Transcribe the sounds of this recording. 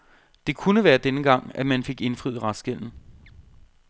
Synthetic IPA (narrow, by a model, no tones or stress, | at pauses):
d̥e̝kʰunəʋæːɐd̥enəɡ̥ɑ̈ŋ̰æmænfe̝ɡ̥e̝nfʁiðˠʁɑ̈sɡ̥el̰n̩